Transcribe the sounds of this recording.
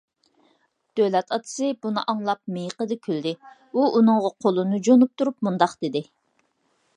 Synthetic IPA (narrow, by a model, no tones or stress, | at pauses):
d̪̥ølɛt̪ʰɑt̪ʰɨ̥sɨbunɨ̰ʔɑŋlˠɑp̚mejqəd̪ɨkʲʰøld̪ɪ | uʔunɨŋʁɑqʰolˠɨnɨd͡ʒonup̚t̪ʰuɾup̚mund̪ɑqd̪̥ɪd̪ɪ